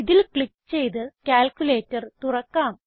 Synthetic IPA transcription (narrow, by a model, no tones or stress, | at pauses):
iðilkɭikːt͡ɕe̞jt̪̬ɨkʲaːlkʲule̞ːtːɐrt̪urɐkːaːm